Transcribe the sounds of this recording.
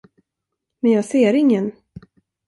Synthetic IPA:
mɛnjɑːɡseːɾɪŋːən

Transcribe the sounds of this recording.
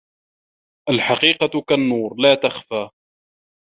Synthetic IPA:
ʔalħaqiːqɑkanːuːɾlaːt̪axfaː

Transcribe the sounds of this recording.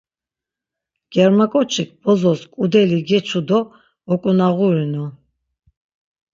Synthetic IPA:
ɡ̥ɛɾmakʼɔt͡ʃʰik̚ʰbɔzɔskʼud̪ɛliɡɛt͡ʃʰud̪ɔ | ɔkʼunaʁuɾinɔ

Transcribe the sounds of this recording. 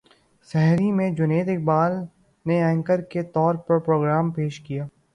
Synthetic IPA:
sɛɦɾimẽd͡ʒʊneːd̪ɪk̚baːl | neɛ̃ːŋkəɾket̪ɔːɾpɾɐɾpɾoːɡɾaːmpeːʃkijaː

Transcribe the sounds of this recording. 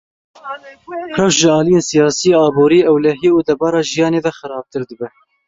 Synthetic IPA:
rɛwʃʒɪɑːlijeːnsijɑːsijeɑːboːɾiːɛwlɛɦiːud̪ɛbɑːɾɑːʒijɑːneːvɛxɨɾɑːb̚t̪ɨɾd̪ɨbɛ

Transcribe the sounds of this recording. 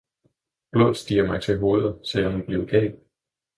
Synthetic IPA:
b̥lo̝ðˠsd̥ḭːɐmɑ̈ɪt͡sʰe̝ɦo̝ːð̞̩ˠsɒjɑnub̥li̝ːʊɡ̥ɛ̰ːl

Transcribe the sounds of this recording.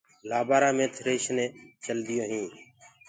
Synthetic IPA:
laːbaːɾãːmẽːt̪ʰɾeːʃnẽːt͡ʃəld̪ɪjõːɦĩː

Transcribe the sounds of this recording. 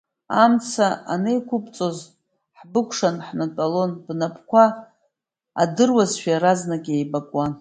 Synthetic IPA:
amt͡sʰaa̰nejkʷʰʊpʼt͡sʼo̞z | ħbɨkʷʰʂanħmatʼalonbnapʰʼkʷʰaː | dɨrwazʃᶣaɾaznakʲʼejbakʼwan

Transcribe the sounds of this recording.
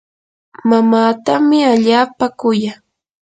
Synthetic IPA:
mamaːt̪amɪaʎaːpakʊja

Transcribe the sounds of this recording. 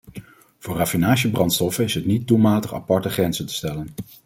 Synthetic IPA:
v̥ʊːɹrafinaːʃəbrɑntstɔfənɪsɦətnit̚dulˠmaːtəχɑ̰pɑɹtəχrɛnzəntə̥stɛlən

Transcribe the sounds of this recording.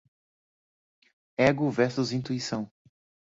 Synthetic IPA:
ɛɡʊvɛɾsʊzĩnt̪uisɐ̃w̃

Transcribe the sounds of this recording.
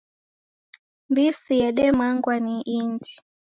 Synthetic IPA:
mbisiɛɗɛmaŋɡwaniʔindi

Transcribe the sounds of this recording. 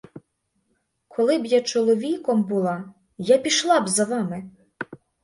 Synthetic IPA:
kʰɔlˠɪbjat͡ʃɔlˠɔʋʲikɔmbʊlˠɑ | japʲiʃlˠɑbzɐʋɑmɪ

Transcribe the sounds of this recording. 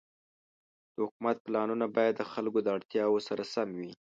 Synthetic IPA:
d̪̥əhʊkumat̪̚plɑnunabɑjad̪ːəxalkod̪əaɽt̪jɑwəsaɾasamwi

